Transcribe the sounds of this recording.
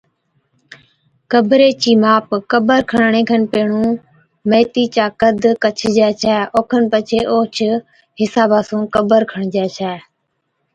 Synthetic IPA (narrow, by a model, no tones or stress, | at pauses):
kəbʱɾeːt͡ʃiːmaːpkəbəɾkʰəɳɳeːkʰənpeːɳũː | meːt̪iːt͡ʃaːkəd̪kət͡ʃʰd͡ʒɛːt͡ʃʰɛːoːkʰənpət͡ʃʰeːʔoːt͡ʃʰ | ɦɪsaːbaːsũːkəbəɾkʰəɳd͡ʒɛːt͡ʃʰɛː